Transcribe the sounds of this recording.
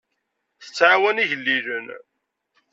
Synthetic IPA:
θə̥t͡sːʕawæniʝəlːiʒən

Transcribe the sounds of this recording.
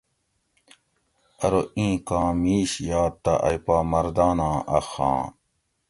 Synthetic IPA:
ɐɾoʔĩːkãːmiːɕjaːt̪ːaʔɐ̰jpaːmɐɾd̪aːnãːʔɐ̰xã̰ː

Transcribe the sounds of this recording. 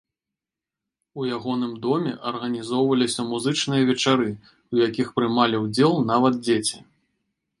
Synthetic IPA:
ujaɣɔnɨmd̪ɔmʲɛ̰ʔɐrɣɐnʲizɔwvɐlʲisʲɐmuzɨt͡ʂnɨjɐvʲɛt͡ʂaɾɨ | ujakʲixpɾɨmalʲiwd͡zʲɛlˠn̪avɐd̪̚d͡zʲet͡sʲi

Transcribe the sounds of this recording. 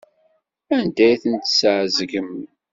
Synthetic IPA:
ænd̪æjθənt̪sʕzɡəm

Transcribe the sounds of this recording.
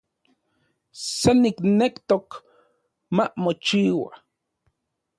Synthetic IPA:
seniknekt̪ok | mamot͡ʃiːwa̰

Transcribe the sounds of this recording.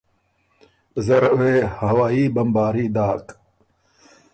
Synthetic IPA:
zɐɾweːhɐwaːiːbɐmbaːɾiːd̪aːk

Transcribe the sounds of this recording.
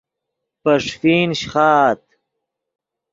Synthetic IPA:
pɐʂfiːnɕχaːt̪̚

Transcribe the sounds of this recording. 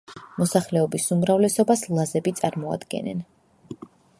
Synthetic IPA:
mɔsaχlɛɔbisumɾavlɛsɔbaslˠazɛbit̪sʼaɾmɔa̰d̪ɡɛ̰nɛ̰n

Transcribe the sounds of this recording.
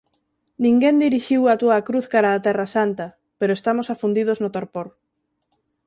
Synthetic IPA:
nĩŋɡend̪iɾiʃiwat̪uakɾuθkaɾaːt̪ɛrasant̪ɐ | peɾoest̪amosafund̪iðoznot̪oɾpoɾ

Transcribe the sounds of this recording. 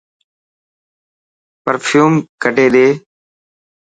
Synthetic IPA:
pəɾpʰjuːmkəɖʱeːɗ̪eː

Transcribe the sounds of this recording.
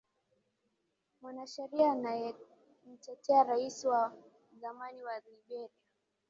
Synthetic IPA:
mwanaʃɛɾiaːnajɛ | m̩tɛtʰɛaɾaisiwa | zamaniwaliɡɛɾia

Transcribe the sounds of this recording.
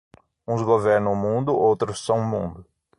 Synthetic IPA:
ũzɡoveɾnɐ̃w̃mũnd̪ʊʔowt̪ɾʊsːɐ̃w̃mũnd̪ʊ

